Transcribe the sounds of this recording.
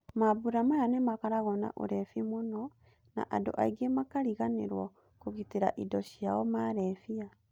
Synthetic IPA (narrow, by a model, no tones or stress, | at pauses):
mabuɾamajanɛmakaɾaɣɔna̰ʔo̰ɾɛfimonɔ | na̰ʔado̰ʔaiɡemakaɾiɣaneɾwɔ | koɣiteɾa̰ʔidɔɕiaɔmaːɾɛfia